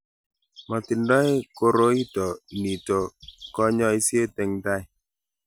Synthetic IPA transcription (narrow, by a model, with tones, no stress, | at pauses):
ma˨ti˨ndɔ˦jko˦ɾo˦i˦tɔ˨i˨ni˨to˨kɔ˦ɲɔ˦i˦sje˦tɛ˨ŋda˦